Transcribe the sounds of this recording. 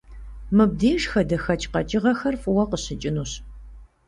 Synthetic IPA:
mɨb̚diːʒxɐdɐxɐt͡ʃʼqɐt͡ʃʼɪʁɐxɐrfʼɨwɐqəɕɪt͡ʃʼɪnuːɕ

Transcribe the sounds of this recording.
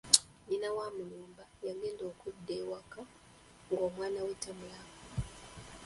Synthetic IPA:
ɲinawamulumbajaŋɡɛndɔkudɛwaka | ŋɡɔmwanawɛtamulaŋa

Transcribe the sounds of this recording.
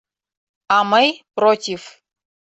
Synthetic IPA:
amɐjprotʲif

